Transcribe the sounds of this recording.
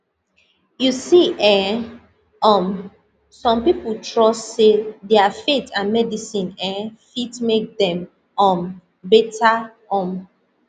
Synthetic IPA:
jusiʔɛ̃ | ɔ̃m | sɔ̃mpipoltʰɹɔsːedɛafetʰãnmɛdisĩnɛ̃fitmek̚dɛ̃m | ɔ̃m | bɛtʰa | ɔ̃m

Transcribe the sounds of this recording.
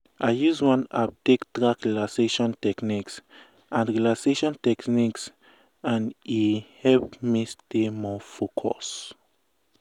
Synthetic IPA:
ʔaɪjuzwãnap̚dekdɹakɹilaseʃɔ̃ntɛkniks | ãnɹilakseʃɔ̃ntɛkniks | ãnihɛlpmistemɔfokʰɔ̰s

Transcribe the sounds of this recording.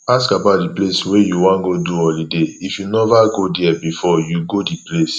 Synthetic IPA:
askabaʊt̚dipleswejuwãnɡoduɔlideifjunɛvaɡodiɛbifɔjuɡodiples

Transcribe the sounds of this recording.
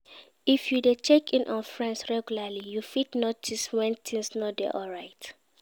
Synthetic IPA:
ifjudet͡ʃɛkʰĩnʔɔ̃nfɹɛ̃nsɹɛɡjulalijufitnotʰiswɛ̃ntʰĩŋsnɔdɛ̰ʔɔɹaɪt

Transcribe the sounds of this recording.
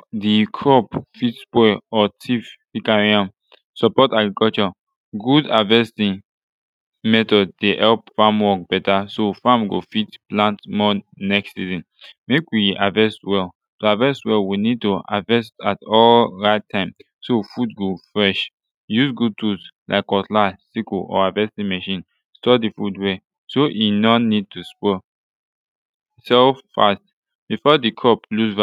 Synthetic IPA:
dikʰɹɔpfitspɔɔtʰif | ikaɹiãm | sɔpɔtaɡɹikɔt͡ʃɔ | ɡudavɛstĩŋ | mɛtɔddehɛlpfamwɔk̚b̥ɛtasofãmɡofitplãntmɔ | nɛkssizĩn | mekwiavɛstwɛl | toavɛstwɛlwinid̚tua̰vɛstatɔlɹaɪtʰːãɪ̃m | sofud̚ɡofɹɛʃ | jusɡud̚tʰuslʔa̰ɪkɔtlasikoʔɔ̰avɛstdimɛʃĩn | stɔdifudwe | soʔinɔnid̚tʰuspɔ | sɛfa̰st | b̥ifɔdikʰɔplusv

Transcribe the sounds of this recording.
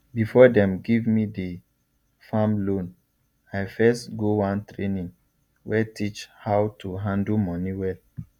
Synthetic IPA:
bifɔdɛ̃mɡivmide | fãmlõn | ajfɛstɡowãntɹenĩŋ | wɛtʰit͡ʃhawtʰuɦãndlmɔniwɛl

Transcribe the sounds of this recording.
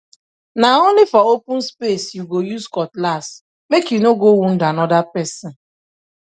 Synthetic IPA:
naonlɪfɔopʊ̃n̩spesjuɡojuskɔtlas | mekjunoɡowun̩danɔdapɛsɔn̩

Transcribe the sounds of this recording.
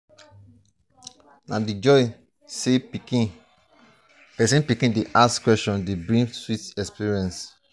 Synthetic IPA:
nãdid͡ʒɔj | se | pɛsĩnpikĩndeʔaskwɛstɔ̃ndebɹĩŋswitɛspiɹiɛ̃ns

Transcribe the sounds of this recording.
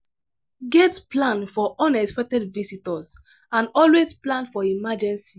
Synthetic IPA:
ɡɛtplãnfɔʔɔ̃nɛkspɛk̚tɛdvisitɔs | ãnɔlwesplãnfɔimad͡ʒɛ̃nsi

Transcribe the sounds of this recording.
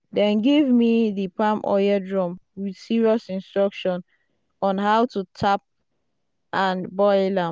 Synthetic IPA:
dɛ̃nɡivmiðipãmʔɔ̰jədɹɔ̃mwid̥siɹiɔsĩnstɹɔkʃɔ̃n | ɔ̃nɦawtutʰap̚ | ʔãnbɔɪlãm

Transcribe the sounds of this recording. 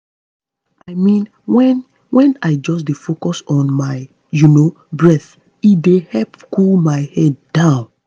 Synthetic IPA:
aɪmĩn | wɛ̃n | wɛ̃naɪd͡ʒɔs̬defokɔsɔ̃nmaɪ | juno | bɹɛθ | idehɛpkulmaɪhɛd̚ːãʊ̃n

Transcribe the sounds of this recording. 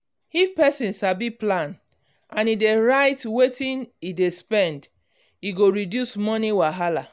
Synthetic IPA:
ifpɛsĩnʃabiplãn | ãnideɹaɪtwetĩnidespɛ̃nd | iɡoɹidjusmɔniwaɦala

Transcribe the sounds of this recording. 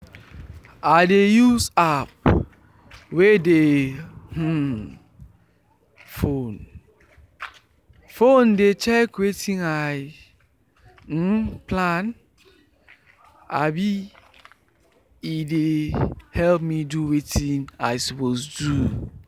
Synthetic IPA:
aɪdejusap̚ | wedeh̩ | fon | fondet͡ʃɛkwetĩnaj | plan | a̰bi | idehɛlpmiduwetĩnaɪsɔposdu

